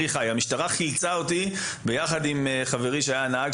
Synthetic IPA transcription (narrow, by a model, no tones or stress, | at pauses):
iχajamiʃtaʁaχilt͡saot̪i | bejaχad̪imχave̞ʁiʃeajanaaɡ